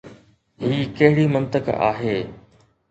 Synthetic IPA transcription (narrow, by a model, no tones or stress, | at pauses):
ɦiːkɐɦɪɽimɐ̃nt̪əka̰ːɦeː